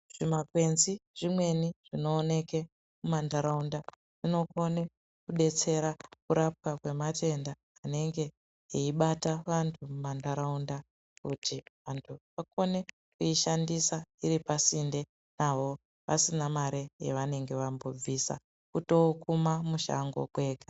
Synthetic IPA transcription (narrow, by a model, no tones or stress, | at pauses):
ʐ̥imakwe̞nziʐ̥imwe̞niʐ̥ino̞ːne̞ke | mumandaɾaunda | ʐ̥ino̞ko̞ne̞ | kuɗe̞t͡se̞ɾakuɾap̚wakwe̞matʰe̞ndaːne̞ŋɡe̞ | eiɓataʋantʰumumandaɾaunda | kutʰiʋantʰuʋako̞ne̞ | kuiʃandisaiɾipasinde̞ | naʋo̞ | ʋa̰sinamaɾejḛʋane̞ŋɡe̞ʋambo̞b͡visa̰ | kuto̞kumamuʃa̰ŋɡo̞̰kwe̞ːɡa